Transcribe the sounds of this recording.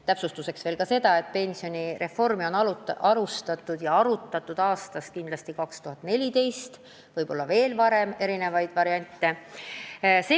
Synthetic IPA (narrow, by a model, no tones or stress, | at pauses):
t̪æpsust̪use̞ksve̞ːlkɑse̞d̪̥ɑe̞t̪̚pe̞nʲsio̞nʲiɾe̞fːo̞rmio̞nɑʔɑɾust̪ɑt̪ːˑud̪̥jɑɑɾut̪ːˑɑt̪ːˑud̪̥ɑːst̪ɑskind̪lɑst̪ikɑkst̪uɦɑt̪ːˑne̞lʲit̪e̞jst̪ | vɤjb̥o̞lːɑve̞ːlvɑɾe̞me̞ɾine̞vɑjd̪̥vɑɾiɑnʲt̪ːˑe̞ | se